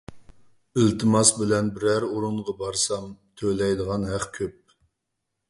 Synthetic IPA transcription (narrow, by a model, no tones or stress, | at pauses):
ɪlt̪ʰɨmɑsbɪlɛnbɪɾæɾuɾuɴʁɑbɑɾsɑmt̪ʰølɛjd̪əʁɑnɦæχkʲʰøp̚